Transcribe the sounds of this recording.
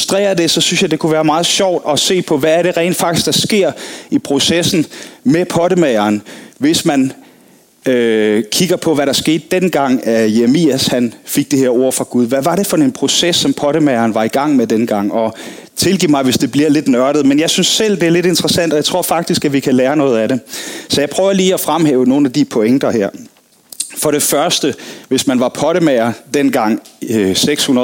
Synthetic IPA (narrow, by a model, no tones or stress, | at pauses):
usd̥ʁɛ̰ːɐd̥e̝sɒ̽synsjɑ̈ɪd̥e̝kʰuʋæːɐmɑ̈ːð̞̩ˠɕɒʊ̰d̥ɒse̝̰ːpʰɒ̽ʋæːɐɾe̝ʁɛ̰ːnd̥fɑ̈ɡ̥d̥i̥sɡ̥d̥ɑ̈sɡ̥e̝ɐ̰ipʰʁo̝sesn̩mepʰɒ̽ɾəmeɪɐːnʋe̝smæn | økʰiɡ̥ɐpʰɒ̽ʋæɾɑ̈sɡ̥e̝ːd̥̚ːenɡ̥ɑ̈ŋ̰æjemiæshænfiɡ̥̚d̥e̝heɐo̝ɐ̰fʁɑ̈ɡ̥uð̞ˠʋæʋɑ̈ɾe̝fɒ̽e̝npʰʁo̝sesːɒ̽mpʰɒ̽ɾəmɛɪɐːnʋɑ̈iɡ̥ɑ̈ŋ̰med̥enəɡ̥ɑ̈ŋ̰ɒ̽ | t͡sʰe̝lɡ̥ḭːmɑ̈ɪʋe̝sd̥e̝b̥liɐle̝d̥nɶɐɾ̥ð̩ˠmenjɑ̈ɪsynsːel̰d̥e̝æɐle̝de̝nd̥ʁɐsæn̰d̥ɒ̽jɑt͡sʰʁo̝ɐ̰fɑ̈ɡ̥̚d̥isɡ̥æʋikʰæleːɐnɔ̽ːð̞̩ˠæɾe̝sɒ̽jɑɪpʰʁœːʊɐliːɒfʁamɦɛ̰ːʊəno̝ːn̩æd̥ipʰo̽eŋd̥ɐhæɐ̰ | fɒ̽ɾe̝fɶɐsd̥əʋe̝smænʋɑ̈pʰɒ̽ɾ̥əmæɐd̥enɡ̥ɑ̈ŋ̰seɡ̥shunɐðˠ